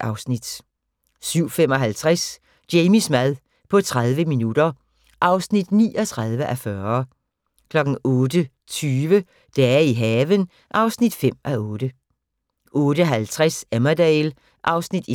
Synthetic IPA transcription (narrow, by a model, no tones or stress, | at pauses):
ɑ̈ʊsnid̥ | syʊ̰fem̰ɒ̽ɦælt͡sʰʁas | d̥eɪmismæðˠ | pʰɒ̽t͡sʰʁað̞ˠʋəminud̥ɐ | ʔɑ̈ʊsnid̥nḭːɒt͡sʰʁɑð̞ˠʋəʔæfɶɐɐ | kʰlɒ̽ɡ̥n̩ɔ̽ːdə | t͡sʰyːʋə | d̥æiɦɛːʋən | ʔɑ̈ʊsnid̥fem̰ʔæɔːd̥ə | ʔɔ̽ːɾ̥əɦælt͡sʰʁasæmæd̥ɛɪl | ʔɑ̈ʊsnid̥i